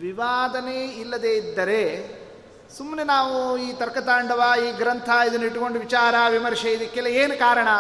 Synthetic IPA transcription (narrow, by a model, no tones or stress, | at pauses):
ʋiʋaːd̪ɐneːilːɐd̪eːid̪ːɐɾe | sumnenaːʋuiːt̪ɐɾkɐt̪aːɳɖɐʋaːiːɡɾɐnt̪ʰɐid̪uniʈkoɳɖuʋit͡ʃaːɾɐʋimɐɾʃɐjid̪ikːelːɐeːnukaːɾɐɳɐ